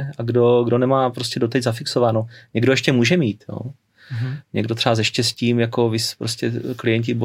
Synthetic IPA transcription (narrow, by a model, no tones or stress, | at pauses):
ʔaɡdo̞ɡdo̞nɛmaːpɾo̞scɛdot̪ɛɟzafɪksovaːnoɲɛɡdojɛʃcɛmuːʒɛmiːt̪jo̰ː | ɲɛɡdot̪r̥ɛazɛʃcɛsciːmjako̞vɪspɾoscʲɛklɪjɛɲcɪbo